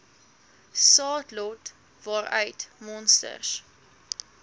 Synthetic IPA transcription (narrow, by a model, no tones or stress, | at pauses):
sɑːtlɔt | vɑɾœ̰ɥtmɔnstə̰rs